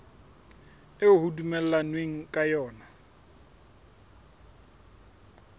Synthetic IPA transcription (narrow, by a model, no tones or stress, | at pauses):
ɪʊhudumɛl̩lanweŋ̩kʼajɔːna